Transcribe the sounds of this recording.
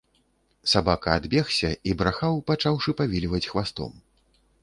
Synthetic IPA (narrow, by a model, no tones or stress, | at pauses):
sabakɐːd̪bʲɛxsʲɐibɾaxawpat͡ʂawʂɨpavʲilʲvɐt͡sʲxvast̪ɔ̰m